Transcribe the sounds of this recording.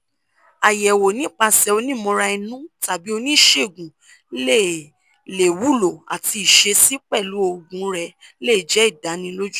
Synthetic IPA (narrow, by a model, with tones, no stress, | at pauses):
a˨jɛ˨wo˨nĩ˨˦k͡pa˧sɛ˧o˧nĩ˦˨mɔ̃˧ɾa˧i˧nũ˦ta˨bi˨˦o˧nĩ˦ʃe˦˨ɡũ˨˦ | le˦˨ | le˨wu˦˨lo˨a̰˨ti˧i˨ʃe˧si˦k͡pɛ˦˨lu˨˦o˧ɡũ˨˦ɾɛ˧le˦˨d͡ʒɛ˨˦i˦˨da˨˦nĩ˧lo˦d͡ʒu˦